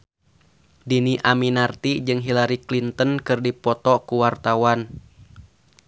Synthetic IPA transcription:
diniʔaminart̪id͡ʒɨŋɦilaɾiklint̪ənkɨrdipɔt̪ɔkuwart̪awan

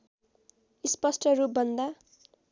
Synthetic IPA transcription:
ispʌsʈʰʌɾup̚bʌnd̪a

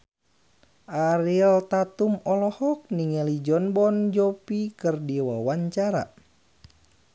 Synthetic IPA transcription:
ʔaɾilt̪at̪umɔlɔhɔk̚niŋɛlid͡ʒɔnbɔnd͡ʒɔpikɨrdiwawaɲt͡ʃaɾa̰

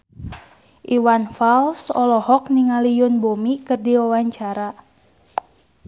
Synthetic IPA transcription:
ʔiwanfalsɔlɔhɔk̚niŋalijʊnbomikɨrdiwawaɲt͡ʃaɾa

